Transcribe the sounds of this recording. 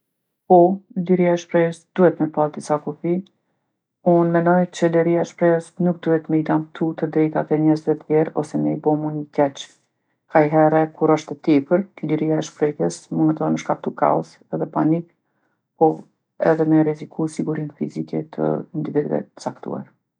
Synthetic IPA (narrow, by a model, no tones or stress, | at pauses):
pɔliɾiaɛʃpɾɛəsd̪̥uhɛt̪mɛpald̪isakufi | unmɛnɔjt͡ɕəlɛɾiaɛʃpɾɛəsnuk̚d̪uhɛt̪məid̪amt̪ʰut̪əd̪ɾɛjt̪at̪ɛɲɛzvɛt̪jjɛɾɔsɛnɛibɔmunəkɛt͡ʃ | kajɦɛɾɛkuɾɔʃt̪ɛt̪ipəɾliɾiaɛʃpɾɛhɛsmunɛt̪ɔɾməʃkap̚t̪ukʰa̰ɔ̰s | ɛðɛpanik | pɔ | ɛ̰ðɛmɛɾɛzikʰusiɡuɾinfizikɛ̰t̪ʰə̰nd̪ivid̪vɛ̰ə̥t͡sakt̪ṵa̰ɾ